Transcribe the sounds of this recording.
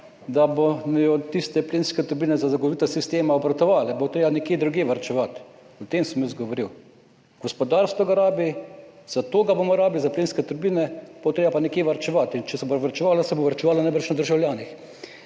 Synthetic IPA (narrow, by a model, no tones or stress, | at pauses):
d̪abojɔt̪ist̪ɛplenskɛt̪ɔɾbinɛzazaɡot̪ɔʋit̪ɐsist̪eːmaɔbɾat̪ɔʋaːlɛbot̪ɾeːbanɛkjeːd̪ɾuɡjeːʋɐɾt͡ʃɛʋat̪ | ɔt̪eːmsɛmjəzɡɔʋɔɾiw | ɡ̥ɔspɔd̪aɾst̪ɔɡaɾaːbiz̥at̪oːɡabomɔɾaːblizaplenskɛt̪ɔɾbinɛb̥ot̪ɾeːbapanɛkjeːʋaɾt͡ʃɛʋat̪int͡ʃɛsɛboɾʋaɾt͡ʃɛʋaːlasɛboʋaɾt͡ʃɛʋaːlanaɪbɾɛt͡ʃnad̪əɾʒawljaːnix